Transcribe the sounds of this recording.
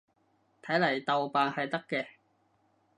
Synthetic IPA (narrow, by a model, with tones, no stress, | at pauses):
t̪ʰɐ˨˥jlɐ˨˩jt̪ɐ˨wpaː˨nhɐ˨jt̪ɐ˥kːɛː˧